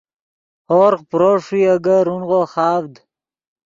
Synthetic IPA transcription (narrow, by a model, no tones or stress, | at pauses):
hoːɾqpɾoʂiaɡaɾunʁoχɑːvd̪